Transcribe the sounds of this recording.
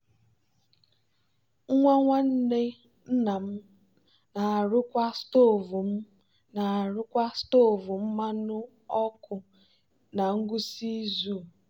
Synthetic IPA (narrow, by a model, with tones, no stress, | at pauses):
ŋ̩˦ŋʷa˦ŋʷa˦n̩˦ne˦ | n̩˦na˨m̩˦ | na˨a˨ɾʊ˦kʷa˦sto˦˨vu˨m̩˦ | na˨a˨ɾʊ˦kʷa˦sto˦˨vu˨m̩˦ma˦nʊ˦ | ɔ˦kʊ˨ | na˨ŋ̩˦ɡʷʊ˦si˦zu˦˨